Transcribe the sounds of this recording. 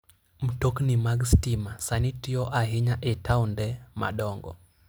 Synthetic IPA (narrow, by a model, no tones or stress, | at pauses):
m̩toknimaɡstimasanitiɔʔaɦiɲaʔɛtawndɛma̰ɗɔŋɡɔ̰